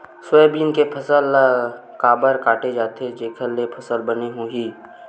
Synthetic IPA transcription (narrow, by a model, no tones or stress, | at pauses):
sweːbiːnkepʰəsəl | kaːbəɾkaːʈed͡ʒaːt̪ed͡ʒeːkʰəlːepʰəsəlbəneɦuɦiː